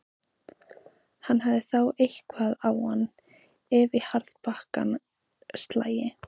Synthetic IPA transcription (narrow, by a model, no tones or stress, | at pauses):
hanːhavðɪθawejhkvaːðawhanː | ɛːvɪhaɾðpahka̰n | st̪la̰ːjɪ